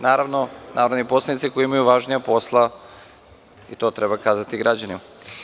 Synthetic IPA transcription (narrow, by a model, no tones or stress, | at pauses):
naːɾaʋnonaːvɾod̪nipo̞slanit̪sikojiimajuʋaʒnijapo̞slˠa | it̪o̞ːt̪ɾebakaːzat̪iɡɾad͡ʑanima